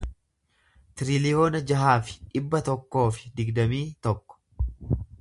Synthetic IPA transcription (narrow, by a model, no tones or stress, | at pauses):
t̪ɪɾɪlɪjo̞ːnɐd͡ʒɐɦaːfɪ̥ᶑɪbːɐt̪ɔkːo̞ːfɪ̥d̪ɪɡd̪ɐmiːt̪ɔkːɔ̥